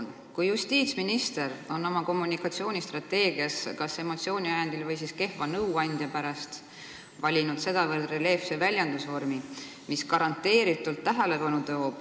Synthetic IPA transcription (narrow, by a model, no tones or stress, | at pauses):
n | kujust̪iːt̪sminist̪e̞ɾo̞nːo̞mɑko̞mːunikːɑt̪sio̞ːnʲist̪rɑt̪ːe̞ːɡiɑskɑse̞mo̞t̪sio̞ːnʲiɑjɑnd̪ilvɤjs̬iske̞hvɑnɤwɑnʲd̪̥jɑpæɾɑst̪ | vɑlʲinud̪̥se̞d̪̥ɑvɤrd̪rele̞fsevælʲjɑnd̪̥usvo̞rmi | miskɑɾɑnt̪ːˑe̞ːɾit̪ːˑult̪ːæɦele̞pɑnut̪o̞ːb̥